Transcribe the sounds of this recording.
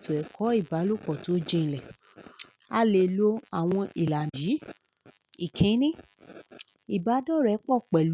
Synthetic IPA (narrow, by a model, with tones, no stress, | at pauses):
to˨ɛ˨kʰɔ˨˦i˦˨ba˨˦lo˦˨k͡pɔ˨to˨˦d͡ʒe˧ñ̩˧lɛ˨ | a˦le˧˨lo˦a˨w̃ɔ̃˧ʔi˨la˨ji˨˦ | i˨kʰẽ˨˦nĩ˦ | i˨ba˨˦dɔ˦˨ɾɛ˨˦k͡pɔ˦˨k͡pɛ˨l